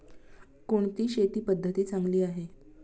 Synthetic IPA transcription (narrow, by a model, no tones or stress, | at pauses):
koɳt̪iːɕet̪iːpəd̪ʱːət̪iːt͡saŋɡliːaɦe